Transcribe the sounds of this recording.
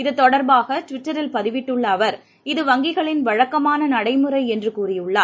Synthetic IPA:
ɪðɯt̪ːɔɽɐɾbaːɣɐʈʋɪʈːɐɾɪlpɐðɪʋɪʈːɯɭːɐːʋɐɾ | ɪðɯʋɐŋɡɪɣɐɭɪnʋɐɻɐkːɐmaːnɐnɐɽɐɪmɯɾɐɪɛndrɯkuːrɪjɯɭːaː

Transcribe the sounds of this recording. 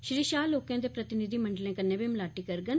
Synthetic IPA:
ʃɾiːʃaːloːkãːd̪eːpɾət̪ɪnɪd̪iːməɳɖəlẽːkənːẽːbimlaːʈiːkəɾɡən

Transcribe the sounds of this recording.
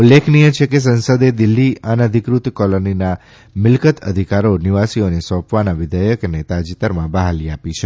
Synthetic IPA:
ulːekʰnijət͡ʃʰekes̬ənsəd̪ed̪ɪlːianəd̪ʱikɾut̪kɔlonina | mɪlkət̪ʰə̰d̪ʱikaɾoniʋasionesɔ̃pʋanaʋɪd̪ʱəjəknet̪ad͡ʒit̪əɾmãbəɦaliapit͡ʃʰe

